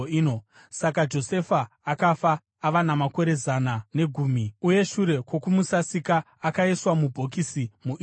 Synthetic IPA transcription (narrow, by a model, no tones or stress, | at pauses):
iːno | sakad͡ʒo̞se̞faː | kafaː | ʋanamako̞ɾe̞zanane̞ɡʱuːmiuje̞ʃuɾe̞kwo̞kumusasikaː | kaiswamubʱo̞k̬isimuʔ